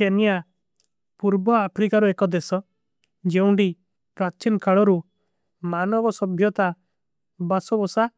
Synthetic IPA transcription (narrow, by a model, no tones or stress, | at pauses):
enija | puɾbɔapʰɾikaɾuekɔd̪esɔ | d͡ʒeũɳɖi | pɾat͡ʃinkaɭɔɾu | manɔbɔsɔbʱjɔt̪a | basɔbɔsa